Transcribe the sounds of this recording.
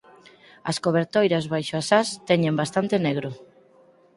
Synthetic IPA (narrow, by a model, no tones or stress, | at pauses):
ɐ̰skoβ̞eɾt̪ojɾazβajʃoasast̪ɛɲẽmbast̪ant̪eneɣ̞ɾo